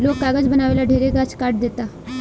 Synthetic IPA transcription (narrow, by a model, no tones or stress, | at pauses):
loːkːaːɡəd͡ʒbənaːʋeːlaɖʱeːɾeɡat͡ʃkaːʈ̚d̪eːt̪aː